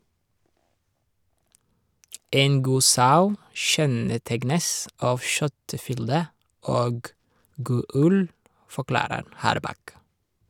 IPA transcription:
ˈeːn ˈɡuː ˈsɑʉ ˈʃɛnəˌtɛɡnəs ˈɑːʋ ˈʃœtəˌfʏldə ˈoːɡ ˈɡuː ˈʉl fɔˈklɑːɾəɾ ˈhɑːɾˌbɑk

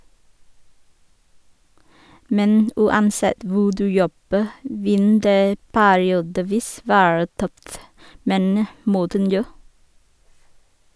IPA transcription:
ˈmɛn ʉːɑnˈsɛt ˈʋuː ˈdʉː ˈjɔbə ˈʋɪn ˈdeː ˈpæːɾɪuːdəˌʋiːs ˈʋæːɹə ˈtœft ˈmeːnə ˈmɔtən ˈnjoː

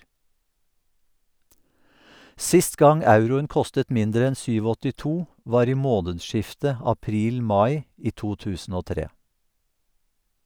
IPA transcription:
ˈsɪst ˈɡɑŋ ˈɑʉɾʊəŋ ˈkɔstət ˈmɪndɾə ˈɛn ˌsyːˌʋɔtɪˈtuː ˈʋɑːɾ ˈiː ˈmoːnədˌʃɪftə ɑˈpɾiːlˌmɑɪ ˈiː ˈtuː ˈtʉːsn̩ ˈoː ˈtɾeː

